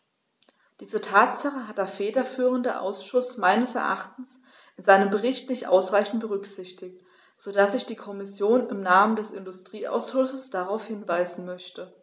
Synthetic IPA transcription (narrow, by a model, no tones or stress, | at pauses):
d̥iːzətʰaːtzaχəɦat̚d̥eːɐfeːdɐfyːʁəndəʔa̰ʊsʃʊsmaɪnəsɛ̰ɐʔaχtn̩s | ʔɪnzaɪnəmbəʁɪçtnɪçtʔa̰ʊsʁ̥aɪçn̩t̚b̥əʁʏkz̥ɪçtɪk̚t | z̥odasɪçd̥iːkʰɔmɪsjoːnɪmnaːməndɛsɪndʊstʁ̥iːʔa̰ʊsʃʊsəsd̥aʁaʊfhɪnvaɪzn̩mœçtə